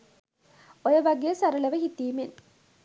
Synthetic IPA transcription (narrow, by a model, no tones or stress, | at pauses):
ojɐʋɐɡeːsɐɾɐlɐʋəɦit̪ːiːmen